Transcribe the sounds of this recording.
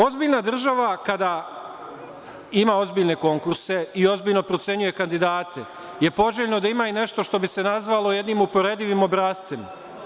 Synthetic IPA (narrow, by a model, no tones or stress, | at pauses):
o̞zbiːʎnad̪r̩ʒaʋakad̪a | imaːo̞zbiːʎne̞ko̞ŋkuɾse̞io̞zbiːʎno̞pɾo̞t̪se̞ɲuje̞kand̪id̪aːt̪ʰe̞ | je̞po̞ʒeʎno̞d̪aimaːine̞ʃt̪o̞ʃt̪o̞bise̞nazʋalo̞je̞d̪nimupo̞ɾe̞d̪iʋimo̞bɾaːst̪sem